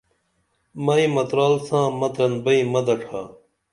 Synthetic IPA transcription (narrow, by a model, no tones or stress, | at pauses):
mɐĩmɐt̪ɾaːlsãːmɐd̪ɾɐnbɐimɐd̪ɐʈʰaː